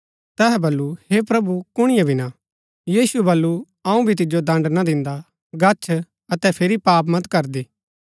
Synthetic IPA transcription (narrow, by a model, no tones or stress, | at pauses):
t̪ɛːɦɛbɐlːuhepɾɐbukʊɽ̃ɪjãbʱina | jiːsuɛbɐlːu | ɐũbʱit̪̬ɪd͡ʒod̪ɐ̃ɳɖnad̪ɪ̃nd̪a | ɡɐt͡ʃʰ | ɐt̪ɛpʰeːɾipaːpmɐt̪kɐɾd̪iː